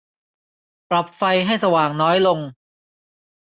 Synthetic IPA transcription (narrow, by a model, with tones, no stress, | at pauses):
pɾa˨˩p̚fa˧jɦa˥˩jsa˧waː˨˩ŋnɔː˦˥jlo˧ŋ